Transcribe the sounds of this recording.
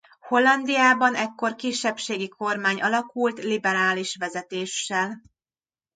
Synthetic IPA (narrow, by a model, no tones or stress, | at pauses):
ho̞lːɒnd̪ijaːbɒnɛkːo̞rkiʃːɛpʃeːɡikʰo̞rmaːɲɒlɒkult̪libɛɾaːliʃʋɛzɛt̪eːʃːɛl